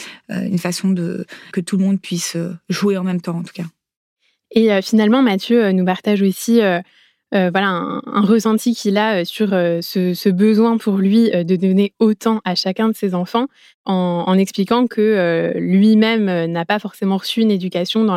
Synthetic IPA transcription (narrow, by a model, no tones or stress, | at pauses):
ø̰ynfasɔ̃d̪ə̰kət̪ulmɔ̃d̪̚pɥisøʒueɑ̃mɛmt̪ɑ̃ːt̪u̥ka | eøfinalmɑ̃mat̪jøønupaʁt̪aʒosiø | øvwalaɛ̰̃ɛ̰̃ʁəsɑ̃t̪ikʲilaøsyʁøsəsəbəzwɛ̃pʰuʁlɥiød̪əd̪ɔneot̪ɑ̃ʔaʃakʲɛ̃d̪əsezɑ̃fɑ̃ | ɑ̃ːnɛksplikɑ̃kʰəølɥimɛmønapafɔʁsemɑ̃ʁəsyːned̪ykʲasjɔ̃d̪ɑ̃